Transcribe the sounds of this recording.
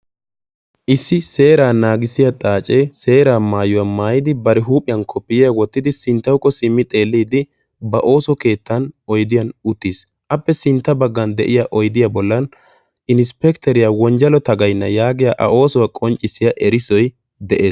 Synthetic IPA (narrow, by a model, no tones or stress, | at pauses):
ʔɪsːɪse̞ːɾaːnaːɡɪsɪjɐt̪ʼaːt͡ʃʼɛjse̞ːɾaːmaːjɔwɐmaːjɪd̪ɪbɐɾɛɦuːpʼɪjɐnkʰɔpːɪjɪjɐwɔt̪ːɪd̪ɪsɪnt̪ːɐwkːɔsɪmːɪt̪ʼe̞ːlːiːd̪ɪ | bɐʔo̞ːsɔke̞ːt̪ːɐnɔjd̪ɪjɐnʊt̪ːiːs | ʔɐpːɛsɪnt̪ːɐbɐɡːɐnd̪ɛ̰ʔɪjaʔɔjd̪ɪjɐbɔlːɐn | ɪnspɛkt̪ɛɾɪjawɔnd͡ʒɐlɔt̪ɐɡɐjnːɐjaːɡɪjaʔɐ̰ʔo̞ːsɔwɐkʼɔnt͡ʃʼːɪsːɪjɐʔɛɾɪsɔj | d̪ɛʔe̞ːs